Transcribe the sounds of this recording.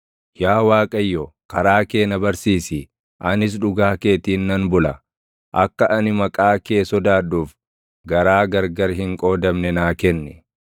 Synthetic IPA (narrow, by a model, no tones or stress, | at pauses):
jaːwaːkʼɐjːɔkɐɾaːke̞ːnɐbɐɾsiːsɪ | ʔɐnɪs̬ᶑʊɡaːke̞ːt̪iːnːɐnbʊlɐ | ʔɐkːɐʔɐnɪmɐkʼaːke̞ːsɔd̪aːᶑuːf | ɡɐɾaːɡɐɾɡɐɾɦɪŋkʼo̞ːd̪ɐmnɛnaːkɛnːɛ